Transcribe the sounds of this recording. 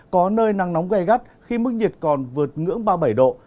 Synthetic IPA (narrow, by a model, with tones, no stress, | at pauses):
kɔ˨˦nəː˧jna˨˩ŋnɔ˨˦wŋ͡mɣa˧jɣa˦˥t̚xi˧mɨ˦˥k̚ɲi˨˩t̚kɔ˨˩nvɨ˨˩ət̚ŋɨ̰˧˥əŋɓaː˧ɓə˧˩jɗo̰˧˨